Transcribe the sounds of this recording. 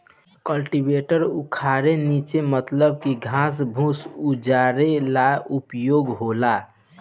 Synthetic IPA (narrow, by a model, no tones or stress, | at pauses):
kəlʈibeʈəɾukʰaɾenit͡ʃemət̪ləb̚kiɡʱãs̬bʱũsud͡ʒaɾelaupjoɡɦola